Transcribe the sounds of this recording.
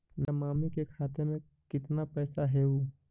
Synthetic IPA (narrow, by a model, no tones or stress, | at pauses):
namaːmikekʰaːt̪emẽ | kɪt̪napɛːsaɦɛuː